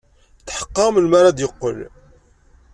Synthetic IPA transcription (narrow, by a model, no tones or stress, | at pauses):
θħə̥qːɑməlmaɾˤad̪jəqːə̰l